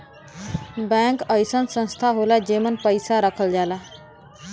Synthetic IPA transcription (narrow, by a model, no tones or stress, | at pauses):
baŋkʌjsʌnsʌnst̪ʰaɦolad͡ʒemʌnpʌjsaɾʌkʰʌld͡ʒala